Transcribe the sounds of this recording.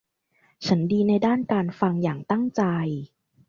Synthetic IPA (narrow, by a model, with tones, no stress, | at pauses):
t͡ɕʰa˦˥ndiː˧na˧jdaː˥˩nkaː˧nfa˧ŋjaː˨˩ŋt̪a˥˩ŋt͡ɕa˧j